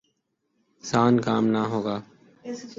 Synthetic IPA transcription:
saːnkaːmnaːɦoːɡaː

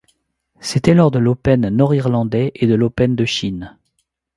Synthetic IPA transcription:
set̪ɛlɔʁd̪əlopɛnːɔʁiʁlɑ̃d̪ɛʔed̪əlopɛnd̪əʃin

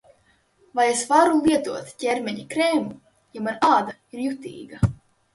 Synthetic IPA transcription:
vajesvaɾulˠiɛt̪uɔt̪cʲɛɾmʲɛɲikɾeːmu | jamanaːd̪aiɾjut̪ḭːɡa

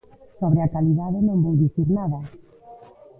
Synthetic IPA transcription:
soβɾeakaliðaðɪnõmbowðiθiɾnaðɐ

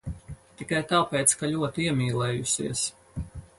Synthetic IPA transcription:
t̪ikajt̪aːpɛːt̪skaʎʲuɔt̪iɛmʲiːlˠɛːjusḭəs

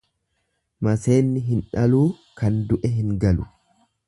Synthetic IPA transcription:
mɐse̞ːnːɪɦɪnᶑɐluː | kɐnd̪ʊʔɛɦɪŋɡɐlʊ

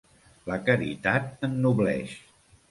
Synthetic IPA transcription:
ləkəɾḭt̪at̪̚ənːuβlɛ̰ʃ

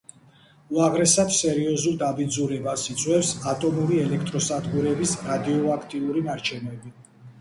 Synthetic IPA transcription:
uaʁɾɛsad̪sɛɾiɔzulˠd̪abid̪zuɾɛbasit̪sʼwɛfsat̪ʼɔmuɾiɛlɛkʰt̪ʼɾɔsad̪ɡuɾɛbisɾad̪iɔakʰt̪ʼiuɾinaɾt͡ʃʰɛnɛbi

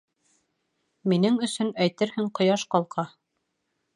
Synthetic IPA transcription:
minɘŋɵ̆sɵnæjt̪ɘɾhɘŋqŏjɑʃqɑlˠqɑ

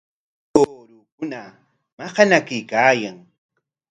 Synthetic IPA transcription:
oːɾukʊna | mɑhɑnakɪjkaːjaŋ

